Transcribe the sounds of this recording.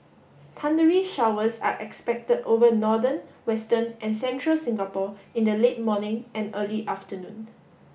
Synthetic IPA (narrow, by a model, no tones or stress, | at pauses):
tʰãndəɹiʃawəsa̰ʔɛkspɛk̚tədovənɔdənwɛstə̃nʔɛ̃nsɛ̃ntʰɹəlsɪ̃ŋɡapɔĩndəlet̚mɔnɪ̃ŋɛ̃nəliʔaftənũn